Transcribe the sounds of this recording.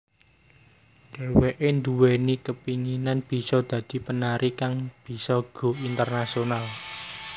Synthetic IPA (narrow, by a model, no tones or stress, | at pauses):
dɖ̥e̤weʔend̪uwenikəpiŋinanb̥i̤sɔd̪̥ä̤d̪̥i̤pənaɾʔikaŋb̥i̤sɔɡ̥o̤int̪ərnasional